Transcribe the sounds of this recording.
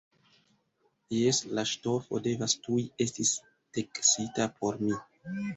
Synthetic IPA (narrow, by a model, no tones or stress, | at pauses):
jeslaʃto̞fo̞̰de̞vastuie̞stis | teksitapʰo̞ɾmi